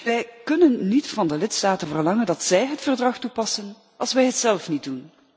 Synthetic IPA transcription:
ʋɛjkɵnənːitfɑndəlɪtstaːtəvərlɑŋəndɑtsɛjɦətfərdrɑxtupɑsən | ʔɑlˠsʋɛjɦətsɛlˠfnit̚dun

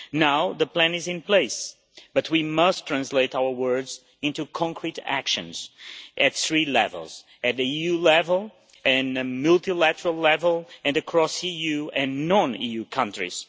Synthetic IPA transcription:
naʊðəpl̥æ̃nɨzɨ̃npl̥eɪs | b̥ʌt̚ʰwimʌstʰɹ̥æ̃nsleɪtawə˞wɜ˞dz | ɪ̃ntukʰɑ̃ŋkʰɹiɾæ̰kʃɨ̰̃nz̥ʔɨt̪θɹilɛ̰və̰lˠz̥ | ɨt̪̚ðiijʉlɛvəlˠ | ɨ̃nɨmʉlˠtilætə˞əl̩ˠlɛvəlˠɨ̃nɨkʰɹ̥ɔsijʉɨ̃nːɔ̃nijʉkʰʌ̃ntɹḭz̥

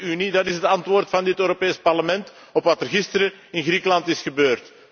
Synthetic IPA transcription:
ynidɑtɪsɦətɑntʋoːrtfɑndɪtøːɾopeːspɑrləmɛnt | ɔpʋɑtərɣɪstəɾə | ɪnɣɾiːkəlɑntɪsxəbøːrt

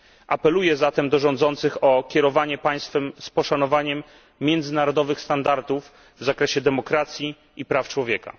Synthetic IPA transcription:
ʔapɛlujɛzat̪ɛmd̪ɔʐɔ̃nd̪zɔnt̪sɘxɔkʲɛɾɔvaɲɛpaj̃st̪fɛmspɔʂanɔvaɲɛmː | jɛnd̪zɘnaɾɔd̪ɔvɘxst̪and̪aɾt̪uv | vzakɾɛɕɛd̪ɛmɔkɾat̪sʲji | ipɾaft͡ʂwɔvʲjɛka̰

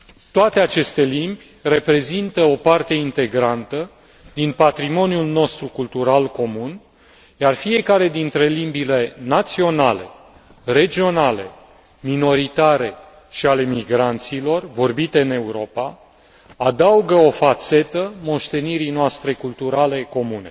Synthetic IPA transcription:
t̪oat̪e̞at͡ʃe̞st̪e̞limbʲ | re̞pɾe̞zint̪əo̞part̪e̞int̪e̞ɡɾant̪ə | d̪inpat̪ɾimo̞njulno̞st̪ɾukult̪uɾalko̞mun | jarfie̞kaɾe̞d̪int̪ɾe̞limbile̞nat̪sio̞nale̞ | re̞d͡ʒio̞nale̞ | mino̞ɾit̪aɾe̞ | ʃiale̞miɡɾant̪silo̞rvo̞rbit̪e̞ɨne̞uɾo̞pa | ad̪auɡəo̞fat̪se̞t̪əmo̞ʃt̪e̞niɾijnoast̪ɾe̞kult̪uɾale̞ko̞mune̞

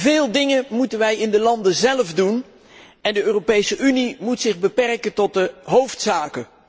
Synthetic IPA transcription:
vɪːlˠdɪŋənmutənʋɛjɪndəlɑndəzɛlvdun | ɛndəøːropejsəʔynimutsɪχbəpɛrkəntɔt̚dəɦowftsaːkə

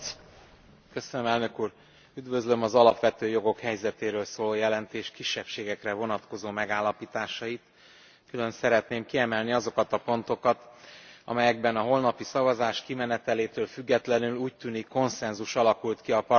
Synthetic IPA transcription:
køsønømɛlnø̞kuːɾ | yd̪vø̞zlø̞mɒzɒlɒpʋɛt̪øːjo̞ɡo̞khɛjzɛt̪eːɾøːlsoːloːjɛlɛnt̪eːʃkiʃːɛpʃeːɡɛkrɛvo̞nɒt̪ko̞zoːmɛɡaːlːɒpiːt̪aːʃɒjit̪ | kylø̞nsɛɾɛt̪neːmkiɛmɛlniɒzokɒt̪ɒpo̞nt̪o̞kɒt̪ɒ̰mɛjɛɡ̚bɛnɒɦo̞lnɒpisɒvɒzaːʃkimɛnɛt̪ɛleːt̪øːlfyɡːɛt̪lɛnyluːct̪ynikːo̞nsɛnzuʃɒlɒkult̪kiɒpɒ

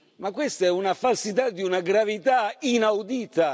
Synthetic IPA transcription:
makːwest̪aɛunafalsit̪ad̪ːiunaɡɾavit̪ainawd̪iːt̪a

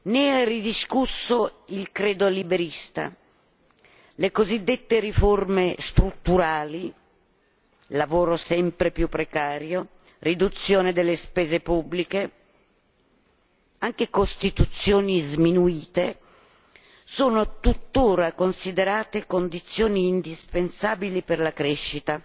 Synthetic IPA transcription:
neɛrid̪iskusːoilkɾeːd̪olibeɾist̪a̰ | lekozid̪ːet̪ːeɾiformest̪ɾut̪ːuɾaːli | lavoːɾosɛmpɾepjupːɾekaːɾjo | rid̪ut̪sːjoːned̪elːespɛːzepubːlike | aŋk̟ekost̪it̪ut̪sːjoːnizminuiːt̪e | soːnot̪ut̪ːoːɾakonsid̪eɾaːt̪ekond̪it̪sːjoːniːnd̪ispensaːbiliperlakɾeʃːit̪a

